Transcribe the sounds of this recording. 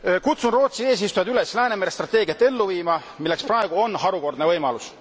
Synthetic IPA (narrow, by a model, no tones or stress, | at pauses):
kut̪sunro̞ːt̪sie̞ːs̬ist̪ujɑd̪yle̞slæːnemeɾest̪rɑt̪ːˑe̞ːɡiɑt̪ːe̞lːuviːmɑ | milːe̞ksprɑe̞ɡ̥uo̞nɦɑɾuko̞rd̪nevɤjmɑlus